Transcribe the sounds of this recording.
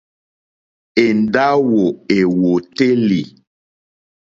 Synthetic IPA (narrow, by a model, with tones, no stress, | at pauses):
e˨n˨da˦wo˨e˨wo˨te˦li˨